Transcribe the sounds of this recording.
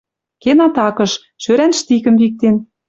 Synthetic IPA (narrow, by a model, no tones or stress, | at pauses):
kenɑt̪ɑkɤ̆ʃ | ʃøɾænʃt̪ikə̆mβik̚t̪en